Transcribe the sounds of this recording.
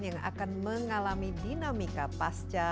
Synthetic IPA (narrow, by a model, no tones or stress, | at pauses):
jaŋa̰kanməŋalamidinamikapast͡ʃa